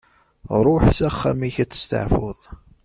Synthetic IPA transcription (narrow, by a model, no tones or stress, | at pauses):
ɾˤʊħsæχːamiçæt͡sːə̥st̪ə̰ʕfʊðˤ